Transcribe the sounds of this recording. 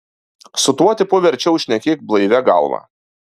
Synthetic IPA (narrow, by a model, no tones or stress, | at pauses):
sʊt̪uɔt̪ʲɪpʊʋʲɛɾʲˑt͡ʃʲɛʊʃʲnʲɛkʲeːk̚blˠɐɪʋʲɛɡɑ̰lˠʋɑ̰ː